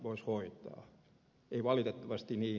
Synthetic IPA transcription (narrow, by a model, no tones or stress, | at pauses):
ʋoishoit̪ɑ̰ː | eiʋɑlit̪et̪ːɑʋɑst̪iniː